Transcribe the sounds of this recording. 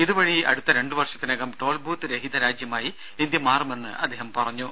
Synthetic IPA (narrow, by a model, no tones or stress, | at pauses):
iðuʋɐɻiɐ̰ɽut̪ːɐɾe̞ɳɖɨʋɐrʂɐt̪ːineːɣɐmʈo̞ːlbʱuːt̪ːɨɾeɦid̪ɐɾaːd͡ʑjɐmaːji | ind̪jɐmaːrɐme̞nːɨ̰ʔɐ̰d̪ːeːɦɐmpɐrɐɲːu